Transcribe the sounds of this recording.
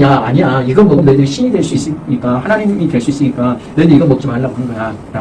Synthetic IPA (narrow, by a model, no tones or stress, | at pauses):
aa̰ɲijaiɡʌnmʌmnedɯɕʰiɲidwe̞ɭs͈uis͈ɯɲik͈ahanaɲimitwe̞ɭs͈uis͈ɯɲik͈anedeiɡʌnmʌk̚t͡ɕ͈umaɭːaɡoɯnɡʌja | ɾa